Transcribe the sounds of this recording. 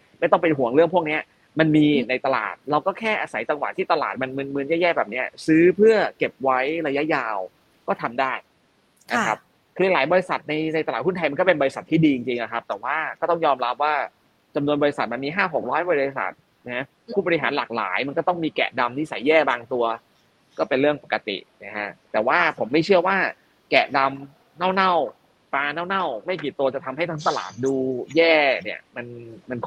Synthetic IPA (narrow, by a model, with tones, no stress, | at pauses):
ma˥˩jt̪ɔ˥˩ŋpe˧nɦu˨˩˦əŋɾɯ˥˩əŋpʰu˥˩əni˦˥ɐ | ma˧nmiː˧na˧jt̪a˧la̰ː˨˩t̪̚ɾa˧wkɔː˥˩kʰɛː˥˩ʔaː˧sa˩˦jt͡ɕa˧ŋwa̰˨˩t̪ʰːiː˥˩t̪a˧laː˨˩t̪̚ma˧nmɯ˧nmɯ˧njɛː˥˩jɛː˥˩bɛː˨˩p̚ni˦˥ɐsɯː˦˥pʰɯ˥˩ɐke˨˩p̚wa˦˥jɾa˧ja˦˥jaː˧w | kɔː˥˩t̪ʰa˧mdaː˥˩j | na˧a˦˥p̚ | kʰɯː˧llaː˩˦jbɔː˧ɾi˧˥sa̰˨˩t̪̚na˧jna˧jt̪a˧aː˨˩t̪hu˥˩nʰa˧jma˧kɔː˥˩pe˧nbɔː˧ɾi˦sa˨˩t̪ʰːiː˥˩diː˧t͡ɕi˧ŋt͡ɕi˧ŋʔa˨˩kʰa˦˥p̚t̪ɛː˨˩waː˥˩kɔː˥˩t̪ɔ˥˩ŋjɔː˧mɾa˦˥p̚waː˥˩ | t͡ɕa˧mnu˧ənbɔ˧i˧sa˨˩t̪̚ma˧nmiː˧ɦaː˥˩ɦo˨˩k̚ɾɔː˦˥jbɔː˧ɾi˧sa̰˨˩t̪̚ | ɛ˦˥ | pʰuː˥˩bɔ˧ɾi˧˥ɦaː˩˦nlaː˨˩k̚la̰ː˩˦jma˧nkɔ˥˩t̪ɔ˥˩ŋmiː˧kɛ̰˨˩da˧mni˦˥˩sa˨˩˦jːɛː˥˩baː˧ŋt̪u˧ɐ | kɔː˥˩pe˧nɾɯ˥˩əŋpa˨˩kːa˧t̪ḭ˨˩na˦˩kʰa˦˥ʔt̪ɛː˨˩waː˥˩pʰo˩˦mːa˥˩jt͡ɕʰɯ˥˩əwaː˥˩ | kɛ˨˩da˧m | na˥˩wna˥˩w | paː˧naː˥˩wna˥˩wma˥˩jkiː˨˩t̪u˧ɐt͡ɕa˨˩t̪ʰa˧mɦa˥˩jt̪ʰa˦ŋt̪a˧la̰ː˨˩t̪̚duː˧jɛː˥˩ni˧˥˩ɐma˧nma˧nkʰ